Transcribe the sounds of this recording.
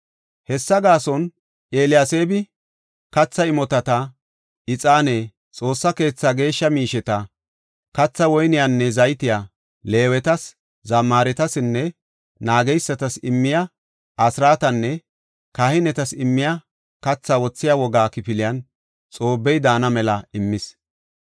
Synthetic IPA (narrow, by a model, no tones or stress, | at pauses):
hɛsːɐɡaːsɔn | ʔeːlɪjase̞ːbɪ | kɐt͡sːɐɪmɔt̪ɐt̪ɐ | ɪt͡sʼaːne | t͡sʼo̞ːsːɐke̞ːt͡sːaːɡe̞ːʃːɐmiːʃɛt̪ɐ | kɐt͡sːɐwɔjnɪjanːɛzɐjt̪ɪja | le̞ːwɛt̪ɐs | zɐmːaːɾɛt̪ɐsɪnːɛ | naːɡɛjsːɐt̪ɐsɪmːɪja | ʔɐsɾaːt̪ɐnːɛ | kahɪnɛt̪ɐsɪmːɪja | kɐt͡sːaːwɔt͡sːɪjaːwɔɡaːkɪpɪlɪjɐn | t͡sʼo̞ːbːɛjd̪aːnɐmɛlɐɪmːɪs